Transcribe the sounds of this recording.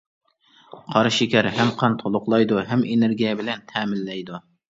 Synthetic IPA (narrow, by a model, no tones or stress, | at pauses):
qʰɑɾʃɪkʲʰɛɾɦɛmqʰɑnt̪ʰolˠʊqlˠɑjd̪uɦɛmeneɾɡʲijɛbɪlɛnt̪ʰɛmɪlːɛjd̪u